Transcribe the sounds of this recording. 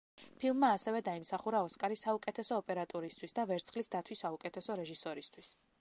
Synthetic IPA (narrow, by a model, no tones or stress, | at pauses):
pʰilˠmːaːsɛvɛd̪aimsaχuɾaɔskʼaɾisːaukʼɛt̪ʰɛsɔːpʼɛɾat̪ʼɔɾist̪ʰwisd̪avɛɾt̪sʰχlisd̪at̪ʰwisaukʼɛt̪ʰɛsɔɾɛʒisɔɾist̪ʰwis